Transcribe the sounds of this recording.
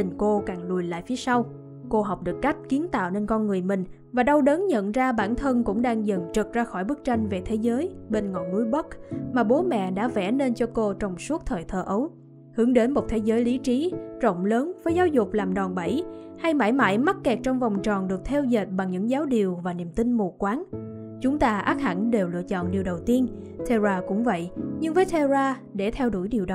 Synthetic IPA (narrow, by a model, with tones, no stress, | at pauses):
ï˨˩ŋko˧kaː˨˩ŋɗu˨˩əjla̰ː˧˨jfi˨˦sa˧w | ko˧ɦa˨˩wk͡p̚ɗɨ˨˩ək̚ːa˦˥jk̟̚ki˨˦ənt̪a̰ː˧˨wne˧nkɔ˧nŋɨ˨˩əjmï˨˩ŋ̟ | vaː˨˩ɗa˧wɗə˨˦nɲə̰˧˨nzaː˧ɓaː˧˩nt̪ʰə˧nkʊ̰˧˥ŋ͡mɗaː˧ŋzə˨˩ŋt͡ɕə˨˩t̚zaː˧xɔ˧˩jɓɨ˦˥k̚t͡ɕa˧jŋ̟ve˨˩t̪ʰe˨˦zəː˨˦jɓe˧nŋɔ̰˧˨nːu˧˦jɓə˦˥k̚maː˨˩ɓo˨˦mɛ̰˧˨ɗa̰ː˧˥vɛ̰˧˩˥ne˧nt͡ɕɔ˧ko˧t͡ɕɔ˧wŋ͡msu˦˥ət̚t̪ʰəː˨˩jt̪ʰəː˨˩ʔə˨˦w | hɨ˨˧˩əŋɗe˨˦nmo˨˩t̚t̪ʰe˨˦zəː˨˦jli˨˦t͡ɕi˨˦t͡ɕə̰˧˨wŋ͡mləː˨˦nvəː˨˦jzaː˨˦wzʊ˨˩k͡p̚laː˨˩mɗɔ˨˩nɓə˧˩jha˧jma̰ː˧˩jma̰ː˧˥jma˦˥t̚kːɛ˨˩k̚t͡ɕɔ˧wŋ͡mvɔ˨˩wŋ͡mt͡ɕɔ˨˩nɗɨ˨˩ək̚t̪ʰɛ˧wze˨˩t̚ɓa˨˩ŋɲɨ̰˧˥ŋzaː˨˦wɗi˨˩əwvaː˨˩ni˨˩əmt̪ï˧ŋ̟mo˨˩kːwaː˨˦n | t͡ɕʊ˨˦ŋ͡mt̪aː˧ʔaː˦˥k̚ha̰˧˩nɗe˨˩wlɨ̰˧˨ət͡ɕɔ̰˧˨nɗi˨˩əwɗə˨˩wt̪i˧ən | t̪ʰe˧zaː˧kʊ̰˧˥ŋ͡mvə̰˧˨jʔɲɨ˧ŋvəː˨˦jt̪ʰe˧zaː˧ | ɗe˧˩t̪ʰɛ˧wɗṵ˧˩jɗi˨˩əwɗ